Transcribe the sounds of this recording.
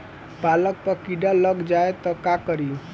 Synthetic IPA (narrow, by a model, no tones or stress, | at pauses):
palək̚pəkiɖaləɡd͡ʒaet̪ɔkakəɾiu